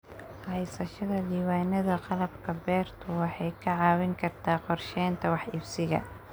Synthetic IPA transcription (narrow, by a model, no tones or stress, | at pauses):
hɐjsɐʃɐðɐɖiːwaːnɐðɐqɑlɐbkʰɐbɛːrt̪ʰʊwɑħɑjkʰɐʕɑːwɪŋkʰɐrt̪ʰaːqɔrʃɛːnt̪ʰɐwɑħʔɪbsɪɣɐ̰